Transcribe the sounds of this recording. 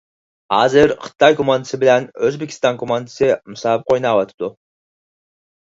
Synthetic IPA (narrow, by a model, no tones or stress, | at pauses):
ɑzɪɾqʰɨ̥t̪ɑjkomand̪ɪsɪbɪlænøzbekʲi̥st̪ɑŋkʰomand̪ɪsɪmʊsɑp̚qʰojnɑβɑt̪p̚t̪ʊ